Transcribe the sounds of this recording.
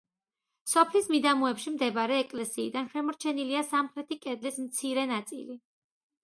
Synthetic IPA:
sɔpʰlismid̪amuɛpʃimd̪ɛbɾɛːkʼlɛsiːd̪anʃɛmɔɾt͡ʃʰɛniliasamχɾɛt̪ʰikʼɛd̪lismt̪sʰiɾɛnat̪sʼḭli

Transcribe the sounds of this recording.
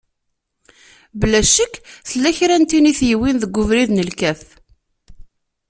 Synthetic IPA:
bəlæʃəkːθəlːæçɾænt̪iniθjiwinðəɡʷːʊvɾiðnəlkæθ

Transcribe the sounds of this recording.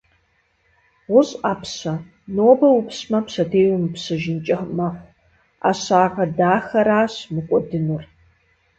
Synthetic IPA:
ʁʷʊɕʼaːpʰsɐ | noːbɐwʊpsmɐpsɐdʰeːwʊmpsɨʒɪnt͡ʃʼɐħmɐħʷ | a̰ːɕaːʁɐdaːxɐɾaːɕmɨkʷʼɔdɨnɨr

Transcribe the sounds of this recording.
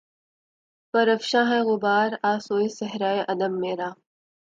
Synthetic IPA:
pɐɾəfʃãːɦɛ̃ːɣʊbaːɾaːsoːesɐɦɾaːeʔɐd̪əmːeːɾaː

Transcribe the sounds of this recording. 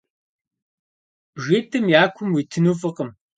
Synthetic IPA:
ʒʷeːtʰɨmjaːkʷʰʊmwiːtʰɨnuːfʼɨqəm

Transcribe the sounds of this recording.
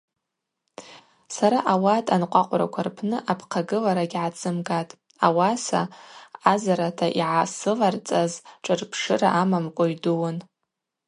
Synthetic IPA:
saɾaʔawatʼanqʷʼaqʷʼɾa̰kʷʰarpʰnɨʔapʰqʰaɡɨlaɾaɡʲʕat͡sʼɨmɡatʼ | awasa̰azaɾatʰaʔiʕasɨlart͡sʼazʈ͡ʂʼɨrpʰʂɨra̰ʔamamkʷʼoɥduwan

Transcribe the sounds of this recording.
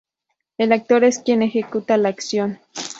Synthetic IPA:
elak̚t̪oɾeskjenexekut̪alaaksjon

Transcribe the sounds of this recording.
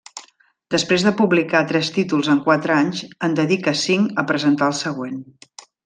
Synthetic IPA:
d̪əspɾezðəpuβlikat̪ɾɛst̪it̪ulˠzəŋkwat̪ɾəaɲzənd̪əðikəsiŋkəpɾəzənt̪aəlˠsəɣwen

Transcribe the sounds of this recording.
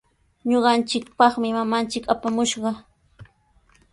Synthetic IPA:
ɲoɢɑnt͡ʃɪkpɑχmɪmamant͡ʃɪkapamʊʃɢɑ

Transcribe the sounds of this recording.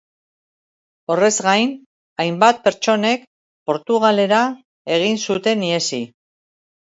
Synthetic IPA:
o̞re̞zɡajn | ajmbat̪̚pe̞ɾt͡ʃo̞ne̞k | po̞ɾt̪uɣ̞ale̞ɾa | e̞ɣ̞insut̪e̞nie̞si

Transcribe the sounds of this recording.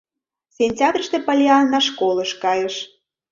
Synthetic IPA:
sʲenʲtʲɑd̪rʲəʃt̪epəlʲiɑnːɑʃ̬koləʃkɑjəʃ

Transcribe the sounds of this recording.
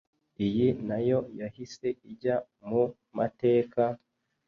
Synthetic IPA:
ijinajo̞jahise̞iɟa | mu | mate̞ːka

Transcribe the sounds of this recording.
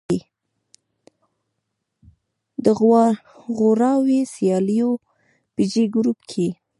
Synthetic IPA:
d̪ə | ɣoɾɑwesjɑlijo | pid͡ʒeɡɾupkʰe

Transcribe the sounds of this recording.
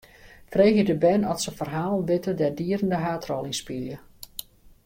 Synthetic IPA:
freːxjədəbɛnɔtsəfərɦaːlˠnʋɪtədɛrdiəɾəndəɦaːtrɔlˠinspiljə

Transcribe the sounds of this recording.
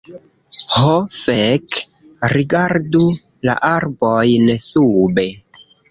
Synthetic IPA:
hofeek | ɾiɡaɾdu | la̰ʔaɾbojnsube̞

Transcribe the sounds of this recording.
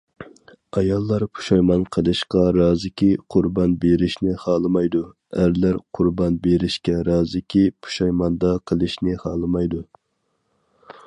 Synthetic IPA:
ɑjɑlˠːɑɾpʰu̥ʃɑjmɑnqʰəlˠɨʃqɑɾɑːzɪkʲiqʰʊɾbɑnbeɾɪʃnɪhɑːlˠɨmɑjd̪u | æɾlæɾqʰʊɾbɑnbeɾɪʃkʲɛɾɑːzɪkʲipʰu̥ʃɑjmɑnd̪ɑqʰəlˠɨʃnɪhɑːlˠɨmɑjd̪u

